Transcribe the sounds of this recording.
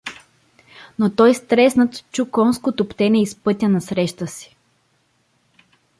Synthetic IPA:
not̪ɔjst̪ɾɛsnət̪t͡ʃukɔnskot̪opt̪ɛnʲɛispɤt̪ʲənɐsɾɛʃt̪əsi̥

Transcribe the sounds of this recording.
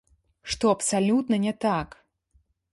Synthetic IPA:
ʂt̪ɔɐpsalʲut̪nɐnʲɛt̪ak

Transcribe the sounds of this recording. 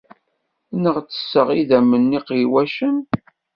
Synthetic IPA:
nəʁt͡sːə̥sːəʁiðæmːənːiqiwæʃən

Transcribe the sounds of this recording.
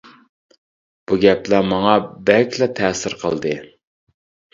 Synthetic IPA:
b̥uɡʲɛplæmɑŋɑbɛlkʲlɛt̪ʰɛːsɪɾqʰə̰lˠd̪ɨ

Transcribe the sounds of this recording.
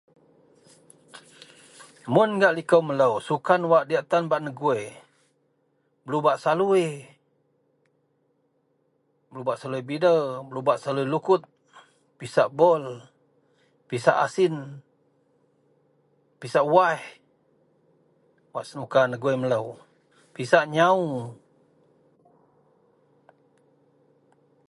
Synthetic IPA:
mʊnɡaʔlikəwmələwsukanwaʔdiaʔt̪anbaʔnəɡue | bəlubaʔsalui | bəlubaʔsaluibidəbəlubaʔsaluilukʊt̪̚ | pisaʔbɔl | pisaʔa̰sɪn | pisaʔwah | waʔsənukanəɡuemələw | pisaʔɲau

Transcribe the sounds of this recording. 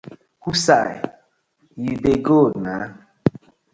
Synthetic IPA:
husaj | jideɡona

